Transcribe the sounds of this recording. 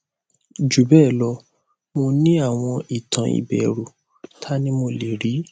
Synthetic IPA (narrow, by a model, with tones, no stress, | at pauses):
d͡ʒu˨bɛ˦˨lɔ˧˦ | mo˧nĩ˦a˦˨w̃ɔ̃˧i˨tã˨˧ḭ˨bɛ˨ɾu˨ | tʰa˦nĩ˦mo˧le˨ɾi˨˦